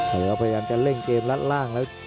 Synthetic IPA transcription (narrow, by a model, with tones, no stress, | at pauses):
t̪ʰɤː˩˦pʰa˧ja˧jaː˧mt͡ɕa˧˩le˥˩ŋt͡ɕeː˧nla˦˥t̪̚laː˥˩ŋlɛː˦˥w